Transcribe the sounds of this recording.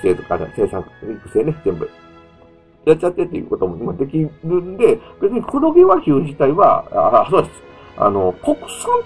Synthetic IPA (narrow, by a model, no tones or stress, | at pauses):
seːt̪okad̪a̰se̞ːsãŋkikɯ̟se̞ːnezẽ̞mbɯ̟̰ | jat͡ɕt͡ɕːat̪ːe̞t̪ːejɯ̰ːko̞t̪o̞moimad̪e̞kʲiɾɯ̟̃nd̪e̞b̥e̞t͡sɨɲ̟ikʰoɾo̞ɡeβaçʲɨːd͡ʑit̪aiβa̰a̰soːd̪esɨ̥ | a̰no̞koksãn